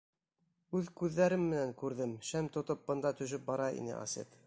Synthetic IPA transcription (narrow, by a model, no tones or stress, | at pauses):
ʉðkʉðːæɾɘmːɘ̆næŋkʉɾðɘmʃæmt̪ŏt̪op̚bɤ̆nd̪ɑt̪ɵ̆ʃ̬ɵp̚bɑɾɑḭnɘ̰ʔɑ̰sʲḛt̪